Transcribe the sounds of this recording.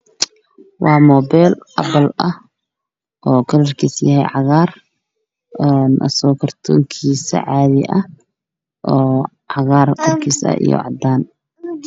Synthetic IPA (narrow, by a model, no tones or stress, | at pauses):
wɑːmɔːbɛːlʔɐbɐlɐh | ʔɔːkʰɐlɐrkʰiːsjɐɦɛ̰jʕɑɣaːr | ɛnʔɐ̰sɔːkʰɐrt̪ʰɔ̰ːŋkʰiːsɐ̰ʕɑːðɪʔɐh | ʔɔː | ʕɑɣaːrkɐrkʰiːsɐ̰ʔḭjɔ̰ʕɑd̪aːn